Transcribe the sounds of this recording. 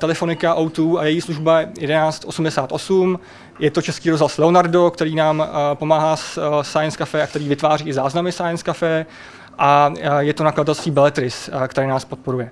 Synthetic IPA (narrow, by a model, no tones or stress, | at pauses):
t̪ɛlɛfo̞nɪkaʔawt̪uːajɛjiːsluʒbajɛjɛdɛnaːt͡st̪ʔo̞sumdɛsaːt̪ʔo̞sum | jɛt̪o̞t͡ʃɛskiːɾozɦlaslɛo̞naɾdo̞kt̪ɛɾiːnaːmpo̞maːɦaːssajɛnskafɛːak̚t̪ɛɾiːvɪt̪vaːriːɪzaːznamɪsajɛnskafɛː | ʔajɛt̪o̞nakladat̪ɛlst̪viːbɛlɛt̪ɾɪskt̪ɛɾɛːnaːspo̞t̪̚po̞ɾujɛ